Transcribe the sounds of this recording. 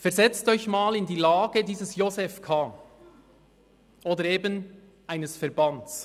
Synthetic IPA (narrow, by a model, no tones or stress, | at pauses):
fɛʁzɛt͡stɔʏçmaːlɪndiːlaːɡədiːzəsjozɛfkʰaː | ʔoːdəɾeːbən | ʔaɪnəsfɛʁbantt͡s